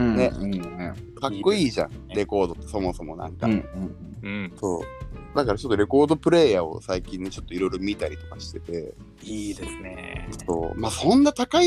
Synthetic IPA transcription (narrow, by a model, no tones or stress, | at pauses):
nẽ̞ | kakːo̞iːʑã̰ɾe̞ko̞ːd̪o̞t̪ːeso̞mo̞so̞mo̞nã̰ŋkã | so̞̰ːd̪akaɾat͡ɕo̞t̪ːoɾe̞ko̞ːd̪o̞pɯ̟ɾe̞ːjao̞̰saikʲĩɲːt͡ɕo̞t̪ːo̞iɾo̞jɾo̞mʲit̪aɾʲit̪o̞̥kḁɕi̥t̪e̞t̪e̞ | id̪esɨneso̞̰ːmaːsõ̞nːat̪akai